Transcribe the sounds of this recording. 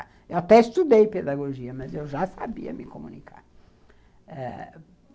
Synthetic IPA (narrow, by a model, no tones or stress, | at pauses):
ewɐt̪ɛist̪ud̪ejped̪aɡoʒiɐmɐzewʒasabḭɐ̰mɪkomunikʰa̰ɾ | ɛ̰